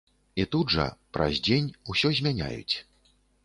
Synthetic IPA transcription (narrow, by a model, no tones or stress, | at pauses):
it̪ud̪ʐɐ̰pɾɐ̰zʲd͡zʲenʲusʲɔzʲmʲanʲa̰jṵt͡sʲ